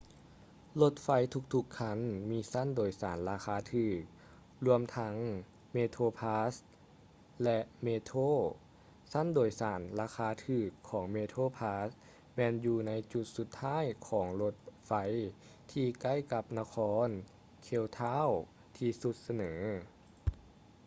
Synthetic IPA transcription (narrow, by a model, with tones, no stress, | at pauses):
lo˧t̪̚fa˧˥jt̪ʰu˧k̚t̪ʰu˧kʰːa˧˥˩nmiː˧˥sa˧˥˨ndoː˨˩jsaː˩˦nlaː˧xʰaː˧˥t̪ʰɯː˧˩k̚ | lu˧əmt̪ʰa˧˥ŋ | meː˧t̪ʰoː˧pʰaː˧˥s | lɛ˧ʔmeː˧t̪ʰoː˥˩ | sa˧˥˨ndoː˨˩jsaː˩˦nlaː˧xʰaː˧˥t̪ʰɯː˧˩kʰːɔː˩˦ŋmeː˧t̪ʰoː˧˨pʰaː˧˥s | mɛː˧njuː˧na˧˥jt͡ɕu˧t̪̚su˧˦t̪ʰːaː˥˨jkʰɔː˩˦ŋlo˧t̪̚fa˧˥j | t̪ʰiː˧ka˧˥˩jka˧p̚na˧kʰɔː˧˥n | kʰe˧˩˨wt̪ʰaː˧˥˨w | t̪ʰiː˧su˧˦t̪̚sa˧nɤː˩˦